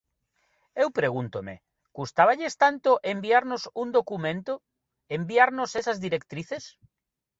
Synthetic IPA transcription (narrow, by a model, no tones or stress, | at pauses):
ewpɾeɣunt̪omḛ | kust̪aβaʎest̪ant̪oʔembiaɾnosund̪okumẽnt̪o | embiaɾnosesɐzðiɾekt̪ɾiθes